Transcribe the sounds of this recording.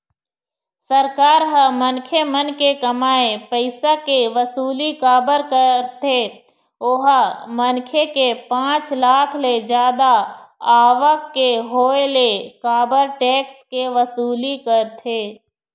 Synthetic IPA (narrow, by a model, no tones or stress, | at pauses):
səɾkaːɾɦəmənkʰemənkekəmaːepəɪsakeʋəsuːlikaːbəɾkəɾt̪ʰe | oɦəmənkʰekepãːt͡ʃlaːkʰled͡ʒjaːd̪aaːʋəkːeɦoːelekaːbəɾʈeːkskeʋəsuːlikəɾt̪ʰeː